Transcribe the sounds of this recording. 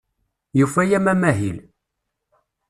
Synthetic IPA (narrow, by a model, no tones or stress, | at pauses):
jufæjæmæmæɦil